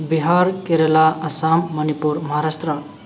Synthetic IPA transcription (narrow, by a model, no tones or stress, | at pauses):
biɦaɾkeɾelaʔʌsamːʌnipuɾmʌɦaɾast̪rʌ